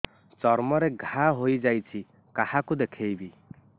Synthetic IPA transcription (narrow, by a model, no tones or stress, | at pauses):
t͡ʃɔɾmɔɾeɡʱaɦojd͡ʒajt͡ʃʰi | kahakud̪ekʰejbi